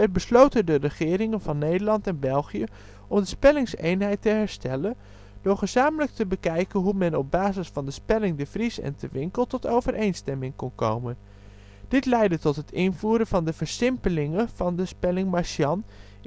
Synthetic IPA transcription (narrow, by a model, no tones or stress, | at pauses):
ət̚bəslowtədərəχɪːɾɪŋənvɑnːejdəɹlɑntɛnbɛlˠχijə | ʔɔmdəspɛlɪŋsḛjnɦɛjtəɦɛɹstɛlən | d̥ʊːɹχəzaːmələk̚təbəkɛjkənɦumɛnɔb̚baːzɪsfɑndəspɛlɪŋdəvrisɛ̰ntʰəʋɪŋkəlˠtɔtowvəɾʔejnstɛmɪŋkɔnko̰wmən | d̥ɪtlɛjdətɔtɦətɪnvuːɾəvɑndəvəɹsɪmpəlɪŋəv̥ɑndəspɛlɪŋmaʃjɑn